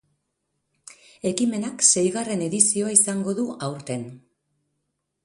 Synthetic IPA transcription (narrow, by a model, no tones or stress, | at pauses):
e̞kime̞nakse̞jɣare̞ne̞ðisio̞aisaŋɡo̞ðuʔawɾt̪e̞n